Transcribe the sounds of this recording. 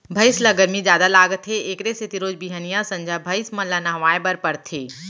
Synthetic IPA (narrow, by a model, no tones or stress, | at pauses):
bʱɐɪslɐɡəɾmizjaːd̪alaːɡt̪ʰeeːkɾesɪt̪iɾoːd͡ʒbiɦənijãsɐ̃ɲd͡ʒʱabʱɐɪsmɐlanãɦʋaːjbəɾpɐɾt̪ʰeː